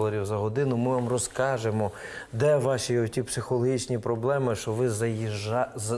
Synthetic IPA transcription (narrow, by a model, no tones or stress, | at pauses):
lˠɔɾʲiwzɐɦɔd̪ɪnʊmɪʋamrɔskɑʒemɔ | d̪ɛʋɑʃʲiɔtʲipsɪxɔlˠɔɦʲit͡ʃnʲipɾɔblˠɛmɪʃt͡ʃɔʋɪzɐ | z